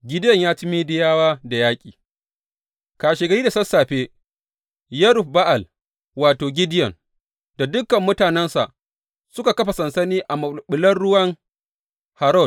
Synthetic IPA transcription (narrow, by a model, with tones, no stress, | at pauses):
ɡʲɪ˦dɪ˦jɐ˨ɲjaː˦tɪ˦miː˦dɪ˦jaː˦waː˦da˨jaː˦kʲʼiː˨ | kaː˨ʃeː˨ɡɐ˨ɽiː˦da˨sɐ˦sːaː˨ɸeː˦ | jɐ˦ɾʊ˨ɸba˦ʔa˨l | waː˨toː˨ɡʲɪ˦dɪ˦jɐ˨ŋ | da˨dʊ˦kːɐ˨mːʊ˦taː˨nɛ˦nsa˨ʔ | sʊ˦ka˨kɐ˦ɸa˨sɐ˨nsɐ˦niː˦ʔa˨mɐ˨ɓʊ˨lɐ˦nɽʊ˦wɐ˦ŋ | ha˨ɾɔ˦˨d̚